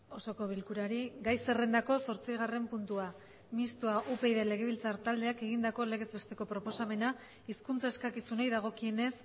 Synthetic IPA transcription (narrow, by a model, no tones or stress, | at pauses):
o̞so̞ko̞β̞ilkuɾaɾiɡajse̞re̞nd̪ako̞so̞ɾt͡siɣ̞are̞mpunt̪ua | mist̪uaʔupe̞jðele̞ɣ̞e̞βilt͡saɾt̪ald̪e̞ake̞ɣind̪ako̞le̞ɣ̞e̞zβe̞st̪e̞ko̞pɾo̞po̞same̞na | iskunt͡sae̞skakisunejðaɣ̞o̞kie̞ne̞s